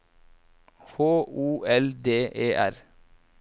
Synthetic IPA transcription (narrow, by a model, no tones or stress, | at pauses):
hoːuːʔɛld̪eːʔeːʔæɾ